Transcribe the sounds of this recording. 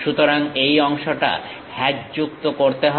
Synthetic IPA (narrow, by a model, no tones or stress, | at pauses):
ʃut̪oɾaŋejɔŋʃoʈa̰ | hɛd͡ʑd͡ʑuk̚t̪okoɾt̪eɦɔ